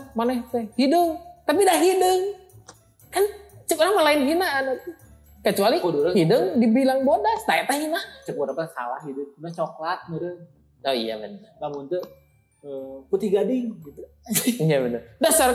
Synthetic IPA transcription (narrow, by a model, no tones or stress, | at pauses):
manɛht̪ɛhidəŋt̪apidaɦidəŋ | kant͡ʃək̚ɔɾaŋmalainɦinaʔːnat̪u | kət͡ʃualidɾəhidəŋdibilaŋbɔt̪̚ast̪aɛt̪aɦinaʔt͡ʃək̚bɔɾapasa̰la̰ɦidəŋnat͡ʃɔklat̪̚mədə | nɔḭja̰mənnlamʊnt̪ə | əput̪ihɡadɪŋɡit̪u | ijabənərdasar